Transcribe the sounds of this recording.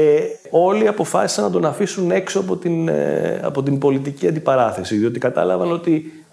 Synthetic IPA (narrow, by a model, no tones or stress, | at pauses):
e | o̞liɐpo̞fɐsi̥sɐnɐd̪o̞nɐfisune̞ksoɐpo̞t̪in̰ɐ̰po̞t̪imbo̞lit̪iciɐnd̪ipɐɾɐθe̞siðio̞t̪ikɐt̪ɐ̰lɐvɐno̞t̪i